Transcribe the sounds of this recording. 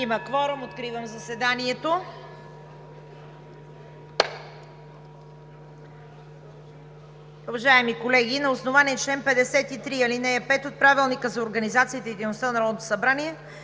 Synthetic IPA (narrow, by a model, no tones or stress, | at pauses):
iməkvɔɾomot̪kɾivəmzɐsvɛd̪aniɛt̪o | uvɐʒaɛmikolɛɡ̟inɐosnovaniɛt͡ʃlɛnpɛd̪ɛsɛt̪it̪ɾiɐlinɛjəpɛt̪ot̪̚pɾavilˠnikəzɐoɾɡənizat̪siːt̪ɛid̪ɛjnost̪ənɐɾɔd̪t̪o̥sɐbɾaniɛ